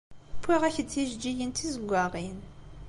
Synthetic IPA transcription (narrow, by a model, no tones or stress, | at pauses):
pʰːiʁæçət͡sːiʒd͡ʒijənt̪izəɡʷːaʁin